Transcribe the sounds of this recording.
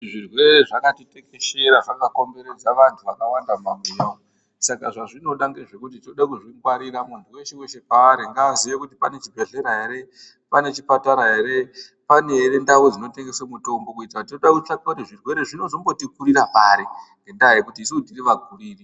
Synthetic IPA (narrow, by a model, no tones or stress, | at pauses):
ʐirwe̞ɾeʐakatiteke̞ʃeɾaʐakako̞mbe̞ɾe̞d͡zaʋantʰuʋakawandamamejao | sakaʐaʐino̞ɗaŋɡeʐe̞kut̬itinoɗakuʐiŋɡwaɾiɾamunduwe̞ʃeweʃe̞paːɾiŋɡaːziʋekutipane̞t͡ʃibʱe̞ɮe̞ɾaɦe̞ɾe̞ | pane̞t͡ʃipataɾaɦeɾe̞ | pane̞ɦeɾe̞ndawod͡zino̞te̞ŋɡe̞samuto̞mbo̞kuitatinoɗakut͡ʃakautiʐirwe̞ɾeʐino̞zo̞mbo̞tikuɾiɾapaɾiŋɡendaikutiːsiudiriʋaɡʱuriːri